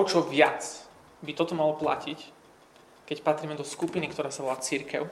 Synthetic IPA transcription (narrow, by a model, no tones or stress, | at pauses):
ɔt͡ʃɔʋɪat͡s | bit̪ɔt̪ɔmalɔpla̰cic | kɛcpat̪ɾiːmɛd̪ɔskupinikt̪ɔɾaːsaʋɔlaːt͡siɾkɛʊ